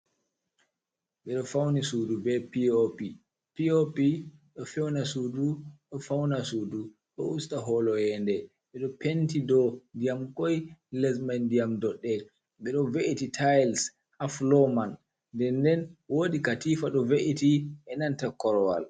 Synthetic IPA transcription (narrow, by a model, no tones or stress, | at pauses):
ɓɛɗɔfawnisudubɛpiopi | piopiɗɔfɛwnasuduɗɔfawnasuːdu | ɗɔ̰ustaɦɔlɔjɛndɛ | ɓɛɗɔpentidɔndijamkɔjlɛs̬mandijamdɔɗːɛ | ɓɛɗɔveʔititʰajls | aflɔman | dɛndɛnwodikatifaɗɔveʔitiʔɛnantakɔɾɔwa̰l